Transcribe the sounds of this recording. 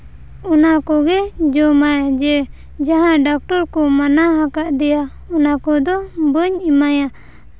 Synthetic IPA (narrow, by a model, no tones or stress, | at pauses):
ɔnakɔɡɛd͡ʒɔmajad͡ʒɛ | d͡ʒaɦãɖak̚ʈɔɾkɔmanaɦakaʔd̪ɛja | ɔnakɔd̪ɔbəɲimaja